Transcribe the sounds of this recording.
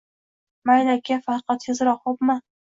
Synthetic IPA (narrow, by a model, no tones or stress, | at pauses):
majnakʲʰːafɑɾqʰɑt̪hɪzɾɒqːopma